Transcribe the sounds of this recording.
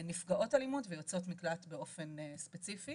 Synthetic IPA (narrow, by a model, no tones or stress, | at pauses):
nifɡaʔo̞talimotvejot͡so̞tmiklatbe̞o̞fe̞nspet͡sifi